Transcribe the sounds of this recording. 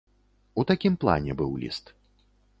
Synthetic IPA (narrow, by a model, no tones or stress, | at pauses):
ut̪akʲimplˠa̰nʲɛbɨwlʲḭst̪